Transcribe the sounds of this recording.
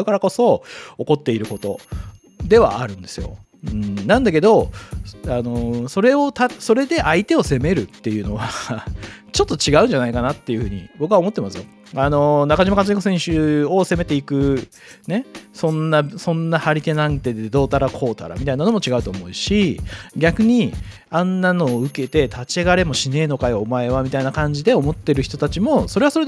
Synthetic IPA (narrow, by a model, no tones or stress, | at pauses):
ɯ̟kaɾako̞so̞o̞ko̞t̪ːe̞iɾɯ̟ko̞t̪o̞̰ | d̪e̞βa̰ʔaɾɯ̟̃nd̪e̞̥sɨjo̞̰ | ɯ̟̃ɴnãnd̪ake̞d̪o̞ | ano̞so̞ɾe̞o̞t̪aso̞ɾe̞d̪e̞ʔait̪e̞o̞se̞me̞ɾɯ̟t̪ːe̞jɯ̟ːno̞βa | t͡ɕo̞t̪ːo̞t͡ɕiɡaɯ̟̃ɲ̟d͡ʑanaikanat̪ːe̞jɯ̟ɸɯ̟ːɲ̟ḭbo̞kɯ̟βao̞mo̞t̪ːemasɨjo̞ | ano̞nakaʑimakat͡s̬ɨɲʲikosẽɕɨo̞se̞me̞t̪e̞ikɯ̟ | ne̞sõ̞nːasõ̞nːahaɾʲit̪e̞nãŋt̪e̞d̪ed̪o̞ːt̪aɾakʰo̞ːt̪a̰ɾa̰mʲit̪ainano̞mot͡ɕiɡaɯ̟t̪o̞ːmo̞iɕiɡʲakɯ̟ɲ̟i | ãnːano̞ːɯ̟ke̞t̪e̞t̪ʰat͡ɕiaɡaɾe̞mo̞ɕine̞ːno̞kajoomae̞βamʲit̪ainakãɲ̟d͡ʑid̪e̞o̞mo̞t̪ːe̞ɾɯ̟çi̥t̪ot̪at͡ɕimo̞soɾe̞βaso̞ɾe